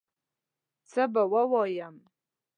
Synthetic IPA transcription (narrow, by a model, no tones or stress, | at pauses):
t͡sʰabawawajam